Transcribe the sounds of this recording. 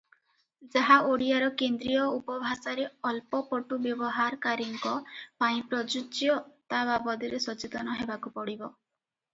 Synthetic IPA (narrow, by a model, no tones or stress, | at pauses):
d͡ʒaɦaʔoɽiaɾɔkend̪ɾijɔupɔbʱasaɾeɔlpɔpɔʈubjɔbɔɦaɾkaɾiŋkɔpaĩpɾɔd͡ʒut͡ʃjɔt̪ababɔd̪iɾesɔt͡ʃit̪ɔnɔɦebakupɔɽibɔ